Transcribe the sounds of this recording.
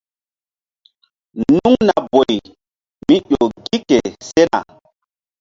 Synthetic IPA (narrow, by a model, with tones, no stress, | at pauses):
nu˦ŋna˨bo˨j | mi˦ʔo˨ɡi˦ke˨se˦na̰˨